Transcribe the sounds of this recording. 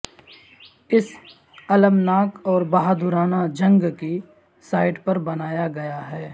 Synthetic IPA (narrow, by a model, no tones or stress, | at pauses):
ɪs | ɐləmnaːkɔːɾbaɦad̪ʊɾaːnad͡ʒɐ̃ŋɡki | saːɪʈpɐɾbɐnaːjaɡɐjaɦɛː